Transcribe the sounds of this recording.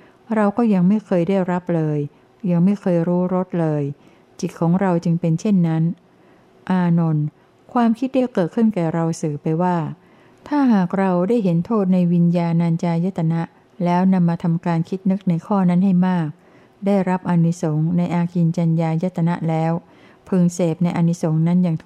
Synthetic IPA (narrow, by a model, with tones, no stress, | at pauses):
ɾa˧wkɔː˥˩ja˧ŋma˥˩jkʰɤː˧jdaː˥˩jɾa˦˥p̚lɤː˧j | ja˧ŋma˥˩jkʰɤː˧jɾuː˦˥ɾo˦˥t̪̚lɤː˧j | t͡ɕi˨˩t̪̚kʰːɔː˩˦ŋɾa˧wt͡ɕɯ˧ŋpe˧nt͡ɕʰe˥˩nːa˦˥n | ʔaː˧no˧n | kʰwaː˧mkʰi˦˥t̪̚da˥˩kɤː˨˩t̪̚kʰɯ˥˩nkɛː˨˩ɾa˧wsɯː˨˩pa˧jwaː˥˩ | t̪ʰaː˥˩ɦaː˨˩k̚ɾa˧wdaː˥˩jɦe˩˦nt̪ʰoː˥˩t̪̚na˧jwi˧njaː˧naː˧nt͡ɕaː˧ja˦˥t̪ʰːa˧na˦˥ʔ | lɛː˦˥wna˧mːaː˧t̪ʰa˧mkaː˧nkʰi˦˥t̪̚nɯ˦˥k̚na˧jkʰɔː˥˩na˦˥nha˥˩jmaː˥˩k̚ | daː˥˩jɾa˦˥p̚ʔa˧ni˦˥so˩˦ŋna˧jʔaː˧ki˧nt͡ɕa˧njaː˧ja˦˥t̪ʰːa˧na̰˦˥ʔlɛː˦˥w | pʰɯː˧ŋseː˨˩p̚na˧jʔa˧nːi˦˥so˩˦ŋna˦˥njaː˨˩ŋt̪ʰ